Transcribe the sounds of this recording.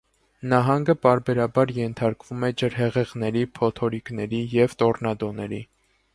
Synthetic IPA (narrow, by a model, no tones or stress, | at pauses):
nɑɦɑŋɡəpɑɾbɛɾɑbɑɾjɛnt̪ʰɑɾkvumɛd͡ʒəɾɦɛʁɛʁnɛɾipʰɔt̪ʰɔɾiknɛɾijɛvt̪ɔrnɑd̪ɔnɛɾi